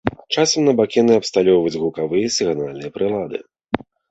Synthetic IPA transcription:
t͡ʂasɐmnɐbakʲɛnɨɐpst̪alʲɔwvɐd͡zʲɣukavɨjɐsʲɨɣanalʲnɨjɐpɾɨlˠad̪ɨ̰

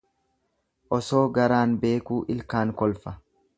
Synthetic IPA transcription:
ʔɔso̞ːɡɐɾaːnbe̞ːkuːʔɪlkaːŋkɔlfɐ

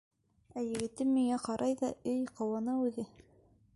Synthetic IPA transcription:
æjɘ̆ɡɘ̆t̪ɘmːiŋæqɑɾʔɑjðɑɵjqɑwɑnɤʉðɘ

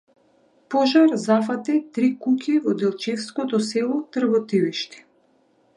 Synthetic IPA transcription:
pɔʒaɾzafat̪it̪ɾikukʲivɔd̪ɛlˠt͡ʃɛfskɔt̪ɔsɛlˠɔt̪r̩bɔt̪iviʃt̪i̥

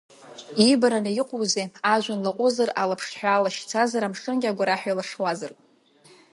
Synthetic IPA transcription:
ibaɾanaiqʷʼowzeaʒʷanlaqʷʼʊzara̰lapʰʂħᶣaːlaʃt͡sʰazaɾamʂɨnɡʲaɡʷaɾaħʷᶣajlaʂwazarʼ

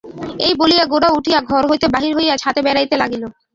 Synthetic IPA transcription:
ḛjbolijaɡoɖauʈʰijaɡʱɔɾɦojt̪ebaɦiɾɦojat͡ɕʰat̪ebɛɾajt̪elaɡilo

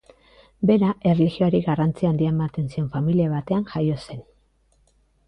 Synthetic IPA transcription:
be̞ɾaʔe̞rlexio̞aɾiɣarant͡siand̪iaemat̪e̞nsie̞ɱfamiliaβat̪e̞anʝajo̞se̞n

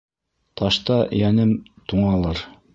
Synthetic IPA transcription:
t̪ʰɑʃt̪ɑjænɘmt̪uɴɑlˠɤɾ

